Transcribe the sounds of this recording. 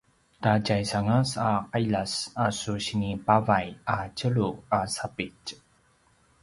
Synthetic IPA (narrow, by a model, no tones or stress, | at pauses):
tacajsaŋəsaqajʎasasuɕinipavajat͡ɕəɭuasapic